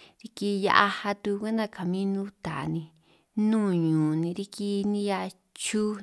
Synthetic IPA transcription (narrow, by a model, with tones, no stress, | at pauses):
ɾi˧ki˧ja̰˧ʔa˧ha˧t̪u˧kʷe˦nã˦˧˨ka˨mĩ˦nũ˦t̪a˨nĩ˧ | nũː˦˨ɲũː˨nĩ˧ɾi˧ki˧nĩ˧ja˧ | t͡ʃu˦